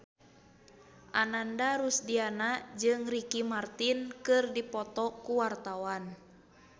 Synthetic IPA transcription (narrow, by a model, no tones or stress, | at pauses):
ʔanandaɾusdianad͡ʒɨŋrikimart̪inkɨrdipɔt̪ɔkuwart̪awan